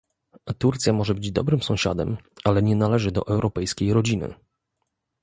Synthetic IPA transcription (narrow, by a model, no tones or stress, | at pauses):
t̪uɾt̪sʲjamɔʐɛbɘd͡ʑd̪ɔ̰bɾɘmsɔ̃w̃ɕa̰d̪ɛ̰malɛɲɛnalɛʐɘd̪ɔ̰ʔɛwɾʔɔpɛjskʲejɾɔd͡ʑinɘ̰